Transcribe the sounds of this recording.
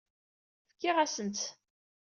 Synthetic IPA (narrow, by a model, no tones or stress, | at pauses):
fkːiʁæsənt͡s̪